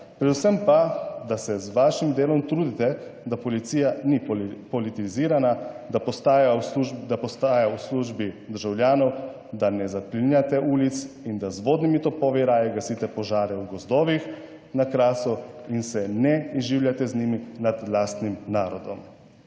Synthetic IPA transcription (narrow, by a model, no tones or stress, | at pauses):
pɾɛd̪usɛmpad̪asɛzʋaːʃimd̪eːlɔmt̪ɾuːd̪it̪ɛd̪apɔliiːjanipɔlit̪iziːɾanad̪apɔst̪aːjauʒd̪apɔst̪aːjawsluʒbid̪əɾʒawljaːnɔw | d̪anɛzaplinjat̪ɛʔuːlit̪s | ind̪azʋoːd̪nimit̪ɔpɔːʋiɾaːjɛɡasit̪ɛpɔʒaːɾɛuɡɔzd̪ɔːʋix | nakɾaːsuinsɛnɛiʒiːwlʲjat̪ɛzniminad̪laːst̪nimnaːɾɔd̪ɔm